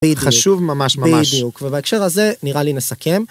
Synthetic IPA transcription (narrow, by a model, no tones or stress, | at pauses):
idχaʃuvmamaʃmamad̪ijukvebaekʃe̞ʁaze̞niʁalinesakʰe̞m